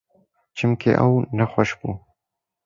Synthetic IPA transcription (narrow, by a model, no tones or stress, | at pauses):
t͡ʃɪmkʰḛʔa̰wnaxwaʃbu